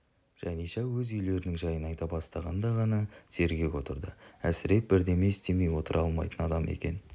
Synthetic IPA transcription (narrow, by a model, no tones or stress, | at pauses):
ʒ̥æniʃɑwɵzʏjle̞ɾɪnɪŋʒɑjənɑjt̪ɑbɑst̪ɑʁɑnd̪ɑʁɑnɑsʰe̞ɾɡʲe̞ko̞t̪əɾd̪əæsɪɾe̞t̪̚bɪɾd̪e̞me̞ɪst̪e̞me̞jwo̞t̪əɾʔɑlˠmɑ̰jt̪ənɑd̪ɑme̞̰kʲe̞̰n